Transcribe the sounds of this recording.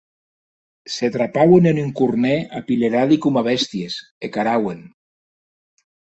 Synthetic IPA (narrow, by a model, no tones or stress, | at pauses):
set̪ɾapawenenyŋkurneapileɾaðikumaβɛst̪jes | ekaɾawen